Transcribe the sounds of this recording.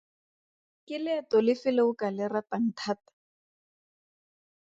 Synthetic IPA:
kɪlɪɛtɔlɪfɪleʊkalɪratan̩tʰatḁ

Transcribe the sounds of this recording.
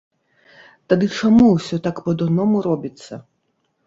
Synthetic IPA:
t̪ad̪ɨt͡ʂamuwsʲɔt̪akpɐd̪ɔnɔmuɾɔbʲit̪sːɐ̰

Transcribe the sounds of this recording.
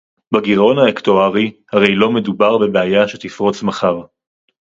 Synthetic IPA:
baɡiʁo̞naektoaʁihaʁe̞jlo̞me̞dubaʁbe̞beajaʃet̪ifʁo̞t͡smaχaʁ

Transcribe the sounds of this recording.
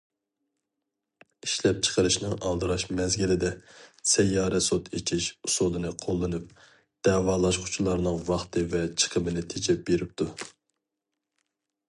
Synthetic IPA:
iʃlɛp̚t͡ʃʰə̥qʰəɾɨʃnɨŋɑlˠd̪ɨɾɑʃmɛzɡʲilɪd̪ɛsɛjːɑːɾɛsot̪ʰet͡ʃʰiʃsod̪ɨnɨqʰolˠːɨnɨp̚ | d̪̥ɛːwɑːlˠɑʃqʰʊ̥t͡ʃʰulˠɑɾnɨŋvɑχt̪ʰɨvɛt͡ʃʰə̥qʰəbɪnɪt̪ʰet͡ʃʰɛp̚b̥eɾɪp̚t̪ʰu

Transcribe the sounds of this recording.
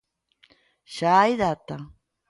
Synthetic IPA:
ʃajðat̪a

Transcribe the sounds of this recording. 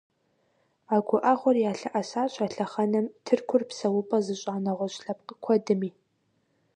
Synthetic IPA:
aːɡʷʊʔɐχʷɔrjaːɬɨʔɐsaːɕʼɐɬɐχɐnɐmtʰɨrkʷʰʊrpsɐwʊpʼɐzɨɕʼaːnɐʁʷɔɕɬɐp̚qəkʷʰɔdɨmiː

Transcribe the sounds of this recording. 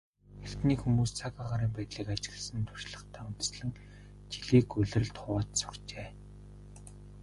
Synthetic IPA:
xert̪niːxumuːst͡sʰakaʁaːɾiːmpæːt̪ɮiːkat͡ɕɪ̆ɣə̆ɮsə̆nt̪ʰʊ̥r̥ʃɮə̆χt̪ʰæːʊn̥t̪ə̥̆sɮə̆ŋ | t͡ɕiɮiːkɵɮɘ̆rɮt̪ʰʊwaːt̪sʊ̥rt͡ɕeː

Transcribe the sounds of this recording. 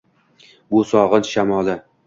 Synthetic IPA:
bʊsɒʁɨnʃamɒlɪ

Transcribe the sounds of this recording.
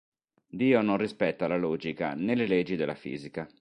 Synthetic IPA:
d̪iːononrispɛt̪ːalalɔːd͡ʒika̰neleled͡ʒːid̪elʔa̰fḭːzika

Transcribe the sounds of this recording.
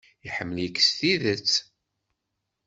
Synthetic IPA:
iħəmːəljikːsθiðət͡sː

